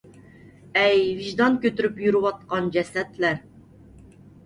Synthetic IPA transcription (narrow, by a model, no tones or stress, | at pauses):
ɛjviʒd̪ɑnkʲøt̪yɾypjyɾywɑt̪̚qɑnd͡ʒɛsɛt̪læɾ